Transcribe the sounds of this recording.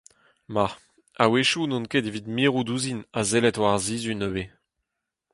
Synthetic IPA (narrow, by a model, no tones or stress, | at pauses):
maʁ | aweʃunɔ̃nkedevid̪miːʁud̪uːzinazelɛtwaʁzizynøbe